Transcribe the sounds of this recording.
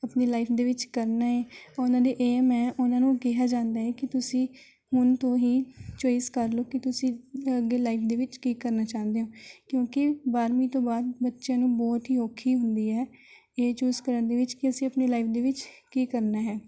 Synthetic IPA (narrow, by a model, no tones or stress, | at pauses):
əpneːlaːɪpʰd̪eːʋɪt͡ʃkəɾnaːɦɛːʊnãːd̪eːʔeːmɛ̃ːʔʊnãːnũːkɪɦaːd͡ʒãːnd̪aːɦɛːkɪt̪ʊsĩː | hʊnt̪õːɦiːt͡ʃoːɪskəɾloːkɪt̪ʊsĩːəɡːeːlaːɪpʰd̪eːʋɪt͡ʃkiːkəɾnaːt͡ʃaːnd̪eɦõːkjõːkɪbaːɾmĩːt̪õːbaːd̪̚bətːʃjãːnũːbɔːt̪ɦiːoːkʰːiːɦʊnd̪iːɦɛː | eːt͡ʃuːzkəɾənd̪eːʋɪt͡ʃkɪəsĩːəpneːlaːɪpʰd̪eːʋɪt͡ʃkiːkəɾnaːɦɛː